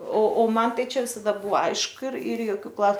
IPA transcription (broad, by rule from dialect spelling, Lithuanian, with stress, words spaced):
oː oː ˈmɐn ˈtɐɪ ˈt͡ʃʲɛ ˈʋʲɪsɐdɐ ˈbʊɐ ˈɐɪʃkʊ ɪr ɪr joːˈkʲuː ˈklˠɐʊ